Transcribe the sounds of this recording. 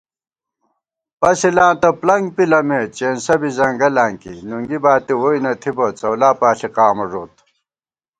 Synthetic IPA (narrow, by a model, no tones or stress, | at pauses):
pɐsilãːnt̪ɐplɐŋɡpilɐmet͡ɕeːnsɐbizɐŋɡɐlaːŋkḭnuŋɡibaːt̪iwoinɐt̪ʰibɐt͡sɐwlaːpaːɬiqaːmɐʐoːt̪